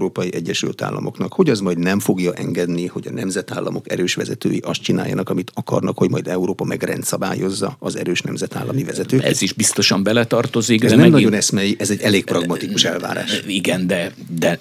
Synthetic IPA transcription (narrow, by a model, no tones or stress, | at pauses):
ɾoːpɒjiʔɛɟːɛʃy̰lt̪a̰ːlːɒ̰mo̞knɒkho̞ɟɒzmɒjd̪nɛmfo̞ɡjɒʔɛŋɡɛd̪niho̞ɟɒnɛmzɛt̪aːlːɒmo̞kɛɾøːʃʋɛzɛt̪øːjiʔɒst̪t͡ʃinaːjːɒ̰nɒkɒmit̪ʰɒkɒrnɒkho̞ɟmɒjd̪ɛuɾoːpɒmɛɡrɛ̰nt̪sɒbaːjo̞zːɒɒzɛɾøːʃnɛmzɛt̪a̰ːlːɒmivɛzɛt̪øːɛ̰iʒbist̪o̞ʃɒmbɛlɛt̪ɒrt̪ozikɛznɛmmnɒɟo̞nɛsmɛjiʔɛzɛɟːɛleːk̚prɒɡmɒt̪ikuʃɛlva̰ːɾa̰ːʃiɡɛnd̪ɛ | d̪ɛ